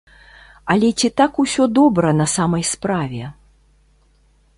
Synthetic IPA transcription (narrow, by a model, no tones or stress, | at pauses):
ɐlʲɛt͡sʲit̪akusʲɔd̪ɔbɾɐnɐsamɐjspɾavʲɛ